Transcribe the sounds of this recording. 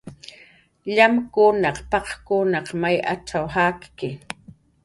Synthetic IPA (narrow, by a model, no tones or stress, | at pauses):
ʎamkʊnɑqpɑqkʊnɑqmaja̰t͡ʃawhakkɪ